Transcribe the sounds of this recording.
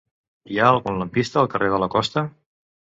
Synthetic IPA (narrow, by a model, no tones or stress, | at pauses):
iaəlˠɣunləmpist̪əːlˠkərʔeð̞ələkɔst̪ə